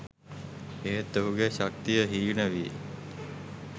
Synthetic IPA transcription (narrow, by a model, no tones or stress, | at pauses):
eɦet̪ːoɦuɡeɕak̚t̪ijəɦiːnəʋi